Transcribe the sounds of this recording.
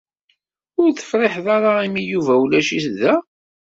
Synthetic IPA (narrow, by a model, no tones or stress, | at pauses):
ʊɾθə̥fɾɪħðɑɾaimijuvæwlæʃisðæ